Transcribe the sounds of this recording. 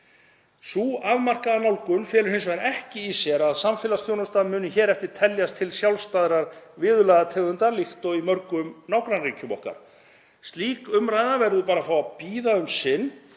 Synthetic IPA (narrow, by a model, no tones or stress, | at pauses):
suːavmar̥kaðanawlkʏnfjɛːlʏɾhensvaɾɛhcɪːsjɛɾaðsamfɪːlast̪jownast̪aːðmʏːnʏçɛːɾɛft̪ɪɾ̥t̪ʰɛljast̪ʰɪlsjawlst̪aðɾaɾvɪːðʏlɛɣðat̪ʰɛːɣðʏnt̪alixt̪ɔɣimœɾkʏmnaːwkɾanriːcʏmɔ̰hka̰ɾ̥ | st̪liːkʏmɾajðavɛɾðʏpaːɾafaːwapiːðaʏmsɪnː